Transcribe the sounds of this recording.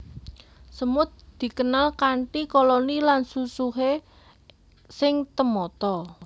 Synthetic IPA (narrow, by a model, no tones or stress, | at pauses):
səmʊt̪̚d̪̥i̤kənalkaɳʈikolonilansusuɦe | sɪŋt̪əmɔt̪ɔ